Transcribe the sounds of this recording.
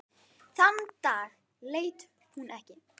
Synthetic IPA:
θant̪aːɣ | leːjt̪ | hunɛhcɪ

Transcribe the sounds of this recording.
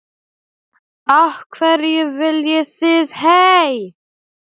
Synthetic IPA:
ahkʰvɛɾjɛɣvɪljɪθɪðhej

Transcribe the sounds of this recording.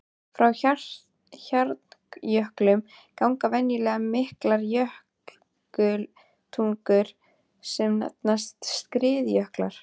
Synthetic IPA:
fɾawçḁ | çaɾt̪jœhklʏm | kawŋkavɛnjʏlɛɣamɪhklaɾjœhk | kʏl | t̪ʰuŋkʏɾ̥ | sɛmna̰t̪nast̪st̪kɾɪːðjœhklaɾ̥

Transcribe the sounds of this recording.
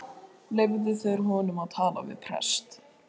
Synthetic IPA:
levðɪθœɾɦɔːnʏmaðt̪ʰaːla̰vɪ̰ðpʰɾɛ̰st̪

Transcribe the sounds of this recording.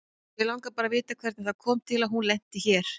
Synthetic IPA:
vɪlawŋkapaːɾavɪːt̪akʰvɛɾt̪naθakʰɔːmt̪ʰɪlaðɦunlɛn̥t̪ɪçɛːɾ̥

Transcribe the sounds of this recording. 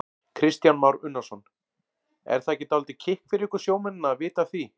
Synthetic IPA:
kʰɾɪst̪janmawɾʏnːasɔn | ɛ̰ɾ̥θaːcɪt̪alt̪ɪcʰɪhkfɪɾɪɾɪhkʏɾ̥sjoːwmɪnɪnaːðvɪːt̪aθvi

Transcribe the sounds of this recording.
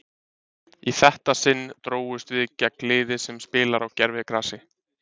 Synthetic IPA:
iθɛht̪asɪnːt̪ɾoːwʏst̪vɪðɪcːaklɪːðɪsɛmspɪːlaɾawcɛɾvɪkɾaːsɪ

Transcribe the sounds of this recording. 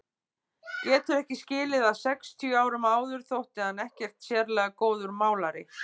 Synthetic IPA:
jɛt̪ʰʏɾɛhcɪscɪːlɪðasɛkst̪ʰjœaːwɾʏmaːwðʏɾ̥θowht̪ɪanɛhcɛr̥t̪sjɛɾlɛːɣakoːwðʏɾmaːwlaɾɪ̰

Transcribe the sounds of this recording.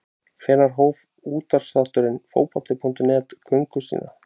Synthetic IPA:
kfɛːnaɾ̥ɦoːwv | uːt̪aɾ̥slaht̪ʏɾɪnfo̰ːwpḁt̪ɪpʰun̥t̪ʏnɛːt̪kʰœŋkʏsḭːna

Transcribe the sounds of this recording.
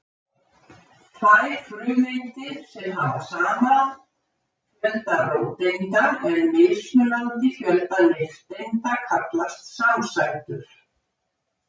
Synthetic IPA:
t̪ʰajɾ̥fɾʏːðejnt̪ɪsɛmɦavasaːmað | jœlt̪arowt̪ejnt̪aɛnmɪːsnʏlant̪ɪfjœlt̪anɪht̪ejnt̪akʰat̪last̪samsajt̪ʏɾ̥

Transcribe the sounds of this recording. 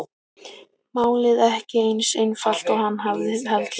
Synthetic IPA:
maːwlɪðɛhcɪejnsejnfal̥t̪ɔɣhanːɦavðɪhɛlt̪l

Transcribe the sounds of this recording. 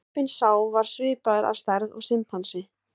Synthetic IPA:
pɪnsaːwvaɾ̥svɪːpaðɪɾʔa̰ðst̪ɛɾðɔ̰ɣsɪmpʰhansɪ

